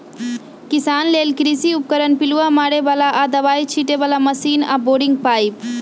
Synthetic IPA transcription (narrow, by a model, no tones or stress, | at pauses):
kisaːnleːlkɾisiup̚kəɾənpiluamaːɽeʋaːlaʔad̪əʋaːit͡ʃʰiʈeʋaːlaməsiːna̰boːɖiŋɡ̚paːip